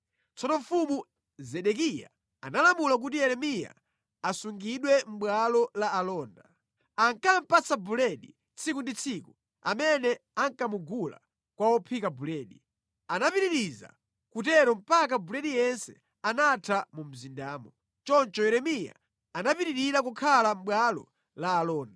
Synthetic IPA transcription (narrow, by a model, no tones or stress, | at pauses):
t͡sɔnɔɱfumu | zɛɗɛk̬ija̰ | a̰nalamulak̬utijɛɾɛmija̰ | asuŋɡiɗwɛm̩ɓwalɔlaːlɔːnda | aŋkam̩pat͡sabulɛɗi | t͡sʰikundit͡sʰiku | a̰mɛnɛaŋkamuɡula̰ | kwawɔpʰikabulɛːɗi | anapiɾiɾiza̰ | kutɛɾɔm̩pakabulɛɗijɛnsɛ | anatʰamum̩zindaːmɔ | t͡ʃɔnt͡ʃɔjɛɾɛmija̰ | anapiɾiɾiɾakukʰalam̩ɓwalɔ̰ | laːlɔːnda